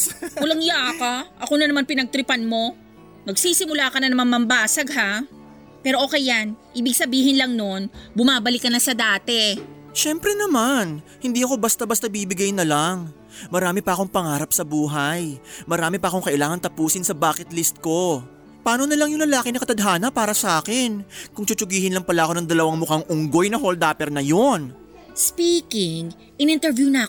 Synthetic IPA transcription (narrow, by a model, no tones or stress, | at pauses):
ʊlɐŋjaʔkaʔɐkonɐnɐmanpɪnɐɡ̚t̪ɾɪpanmo̞ | nɐɡ̚siːsɪmʊlaːkɐnɐnɐmaŋmɐmbaːsɐɡ̚ɦa | pɛːɾo̞ʔo̞ːkɛjanʔiːbɪɡ̚sɐbiːhɪnlɐŋno̞nbʊmaːbɐlɪkːɐnɐsɐd̪aːt̪ɛ | ʃɛmpɾɛnɐmanhɪnd̪iːʔɐko̞bɐst̪ɐbɐst̪ɐbibɪɡajnɐlaŋ | mɐɾaːmɪpɐʔɐko̞ŋpɐŋaːɾɐp̚sɐbuːɦajmɐɾaːmɪpɐʔɐko̞ŋkɐʔɪlaːŋɐnt̪ɐpuːsɪnsɐbaːkɪt̪list̪̚ko̞ | paːno̞nɐlɐŋjʊŋlɐlaːkɪnɐkɐt̪ɐd̪ɦaːnɐpaːɾɐsɐʔaːkɪnkʊŋt͡ʃʊt͡ʃʊɡiːhɪnlɐŋpɐlaɐʔɐko̞nɐŋd̪ɐlɐwaŋmʊkaŋʔʊŋɡo̞jnɐɦold̪aːpɛɾnɐjon | spiːkɪŋ | ʔɪnɪnt̪ɛɾvjunɐɐ